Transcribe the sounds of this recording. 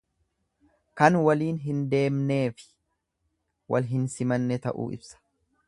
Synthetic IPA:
kɐnwɐliːnɦɪnd̪e̞ːmne̞ːfɪ̥ | wʔɐ̰lɦɪnsɪmɐnːɛt̪ɐ̰ʔṵːɪ̰bsɐ̥

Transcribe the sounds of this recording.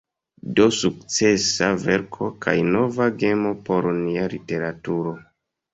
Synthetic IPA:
dosukt͡se̞save̞ɾkʰo̞kʰa̰jno̞vaɡe̞mo̞po̞ɾnialite̞ɾatuɾo̞

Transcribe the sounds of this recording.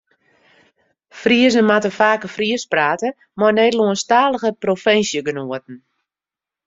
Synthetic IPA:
friəzənmatəfaːkəfriəspraːtə | mɔjnɛːdluənstaːləɣəprofɛnsjəɡənuət̚n̩

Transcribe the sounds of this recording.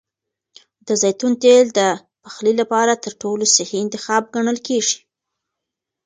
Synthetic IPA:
d̪əzajt̪unt̪eld̪ə | pḁxlilapɑɾat̪əɾʈolosɪhiɪnt̪ɪxɑb̚ɡaɳəlkeʐi̥

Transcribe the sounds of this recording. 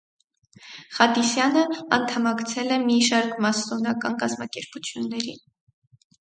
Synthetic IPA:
χɑd̪isjɑnəɑ̰nt̪ʰɑmɑkt͡sʰɛlɛmiʃɑɾkʰmɑst̪ɔnɑkɑnkɑzmɑkɛɾput͡sʰjunːɛɾḭn

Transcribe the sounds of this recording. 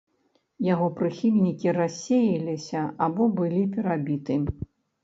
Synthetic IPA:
jaɣɔpɾɨxʲilʲnʲikʲirasʲːejilʲisʲɐabɔbɨlʲipʲɛɾabʲit̪ɨ

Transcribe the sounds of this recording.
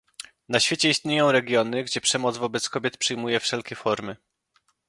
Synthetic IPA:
naɕfʲjet͡ɕɛist̪ɲejɔ̃w̃ɾɛɡʲjɔnɘɡd͡ʑɛpʂɛmɔd̪zvɔbɛt̪skɔbʲjɛt̪pʂɘjmujɛfʂɛlkʲɛfɔɾmɘ

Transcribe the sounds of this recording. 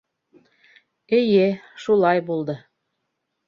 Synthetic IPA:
ejeʃulˠɑjbolˠd̪ɤ̆

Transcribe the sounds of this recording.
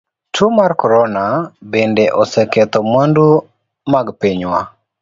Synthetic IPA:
tumarkɔɾɔnabendeʔɔsɛkɛt̪ɔmondu | maɡpiɲwa

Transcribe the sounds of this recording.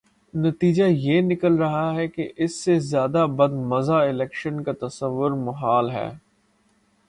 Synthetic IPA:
nɐt̪iːd͡ʒajeːnɪkəlɾɐɦaɦɛkeʔɪsːezjaːd̪abɐd̪mɐzaɪlɛːkʃənkat̪ɐsəʋːʊɾmɐɦaːlɦɛ̰ː

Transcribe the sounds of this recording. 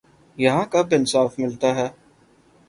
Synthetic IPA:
jɐɦãkɐbɪnsaːfmɪlt̪aɦɛː

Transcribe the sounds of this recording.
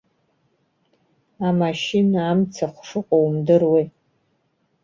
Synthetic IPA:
amaʃinaːmt͡sʰaχʷʂɨqʼowmdɨrwej

